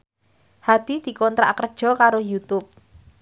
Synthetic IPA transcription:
had̪̥i̤d̪̥i̤kɔnt̪ɾa̰kərd̥ʒ̥ɔ̤kaɾojut̪ʊp̚

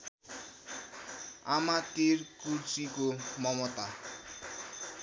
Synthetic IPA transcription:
amat̪irkuɾsikomʌmʌt̪a

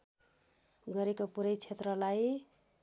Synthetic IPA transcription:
ɡʌɾekopuɾʌjt͡sʰet̪ɾʌlaj

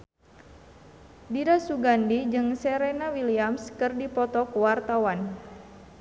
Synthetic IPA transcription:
diɾasuɡandid͡ʒɨŋsɛɾɛnawiliamskɨrdipɔt̪ɔkuwart̪awan

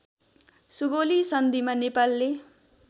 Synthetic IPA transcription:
suɡolisʌnd̪imanepalːe

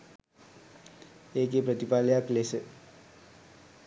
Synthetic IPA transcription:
ek̬epɾət̪ipaljakles

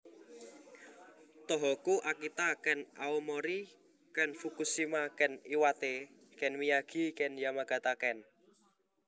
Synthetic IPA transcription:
t̪ɔɦɔkuʔakit̪akɛnʔaomoɾi | kɛnfukusimakɛniwat̪e | kɛnwijaɡ̥i̤kɛnjamaɡ̥a̤t̪akɛn

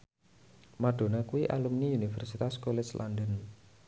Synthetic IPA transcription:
maɖ̥o̤nakuiʔalumniunifɛrsit̪askolɛslʔa̰nd̪ən

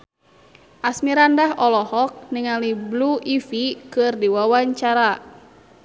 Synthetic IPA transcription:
ʔasmiɾandaɦɔlɔhɔk̚niŋalibluʔifikɨrdiwawaɲt͡ʃaɾa

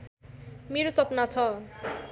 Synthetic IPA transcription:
meɾosʌpnat͡sʰʌ

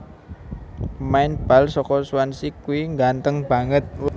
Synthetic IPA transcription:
əmaɪnb̥a̤lsɔkɔsuwansikuiŋɡant̪əŋb̥ä̤ŋət̪̚

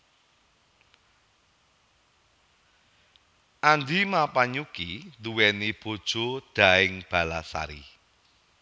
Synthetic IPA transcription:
ʔand̪imapaɲukiluwɛnib̥o̤d̥ʒ̥o̤d̪̥a̤ɪŋb̥a̤lasa̰ɾḭ

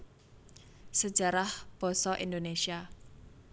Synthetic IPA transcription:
sə̥d͡ʒ̥a̤ɾahb̥ɔ̤sɔʔind̪onesia

